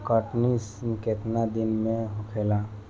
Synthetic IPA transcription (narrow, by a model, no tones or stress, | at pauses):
kəʈnisket̪nad̪inmẽɦukʰela